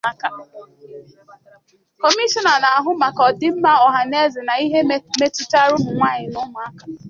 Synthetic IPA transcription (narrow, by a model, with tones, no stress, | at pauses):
a˦ka˨ | ko˨mi˦ʃɔ˨na˨na˨a˨ɦʊ˦ma˨kɔ˨dɪ˦m̩˦ma˦ɔ˨ɦa˨ne˦zɪ˨na˨i˦ɦe˦me˦tʊ˦ta˦ɾʊ˦mʊ˨ŋʷa˦ɲɪ˨nʊ˦mʊ˨˦a˦ka˨